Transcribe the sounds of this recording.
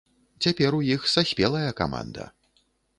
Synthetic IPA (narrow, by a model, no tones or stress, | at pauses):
t͡sʲapʲɛɾujixsasʲpʲɛlˠɐjɐka̰ma̰nd̪ɐ̰